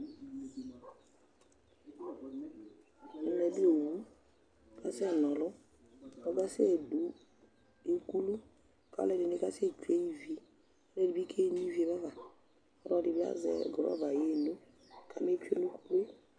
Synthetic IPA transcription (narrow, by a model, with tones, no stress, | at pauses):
nɛ˨bi˦o˨nu˦ | ka˦si˦a˨nɔ˨lʊ˦ | ɔ˦ɡa˦se˦˨du˨ | e˦ku˦lu˦ | ka̰˦lɛ˦˨di˨ne˦ka˦se˦˨t͡ʃe˦i˦vi˦e˨ | ɔ˦lɛ˦˨di˨bi˦kʰe˦n˦i˦vi˦e˨βa˦va˨ | ɔ˦ɾɔ˦di˨bi˦a̰˦zɛ̰˨ɡɔ˨ɾɔ̰˦va˨je˦˨no˦ | kʰa˨me˦t͡ʃḛ˦nu˦ku˦lu˦